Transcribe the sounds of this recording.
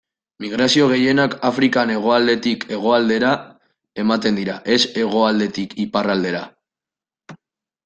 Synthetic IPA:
miɣ̞ɾasio̞ɣ̞e̞je̞nakafɾikane̞ɣ̞o̞ald̪e̞t̪ike̞ɣ̞o̞ald̪e̞ɾa | e̞mat̪e̞nd̪iɾaʔe̞se̞ɣ̞o̞ald̪e̞t̪ikiparald̪e̞ɾa

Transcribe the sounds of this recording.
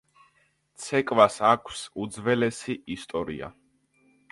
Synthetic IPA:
t̪sʰɛkʼvasakʰsud̪zvɛlɛsiʔist̪ʼɔɾḭa̰

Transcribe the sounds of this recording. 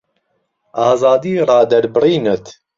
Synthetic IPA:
ʔɑːzɑːd̪iːrɑːd̪ɛɾbɨriːnət̪

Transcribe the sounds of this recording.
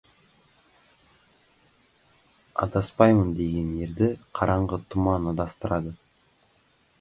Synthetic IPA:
ɑ̰t̪ɑspɑjmənd̪e̞ɡʲe̞ne̞ɾd̪ɪqʰɑɾʔɑɴʁət̪ʰʊmɑnəd̪ɑst̪əɾɑd̪ə

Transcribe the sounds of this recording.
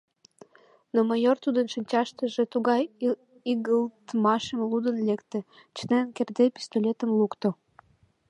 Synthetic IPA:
noməjort̪ud̪ənʃənʲt͡ɕɑʃt̪əʒĕt̪uɣɑj | iɣəlt̪mɑʃəmlud̪ənlekt̪ĕ | t͡ɕənenkerd̪epi̥st̪olʲet̪əmlukt̪o

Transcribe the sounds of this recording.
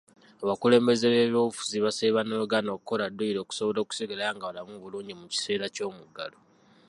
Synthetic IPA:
aβakule̞ːmbe̞zeβeβofu̥ziβaseβanoɡano̞ːkuko̞ladoiɾo̞ːku̥so̞βo̞lo̞ːku̥siɡelaŋɡaβalamuβuluːɲɟimuci̥se̞ːɾaco̞ːmuɡːa̰lo

